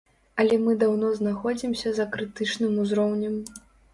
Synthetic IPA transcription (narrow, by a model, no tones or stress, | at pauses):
ɐlʲɛmɨd̪awnɔznaxɔd͡zʲimsʲɐzɐkɾɨt̪ɨt͡ʂnɨmuzɾɔwnʲɐm